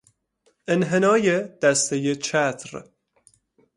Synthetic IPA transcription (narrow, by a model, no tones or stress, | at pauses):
ʔenɦenɒːjed̪̥æst̪ejet͡ʃʰæt̪ʰɾ